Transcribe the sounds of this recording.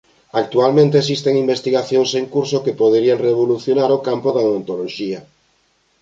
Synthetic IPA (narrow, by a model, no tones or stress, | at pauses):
ak̚t̪ualmẽnt̪eːs̬ist̪eŋimbest̪iɣaθjoŋseŋkuɾsokepoðeɾiaŋreβoluθjonaɾokampoðaont̪oloʃia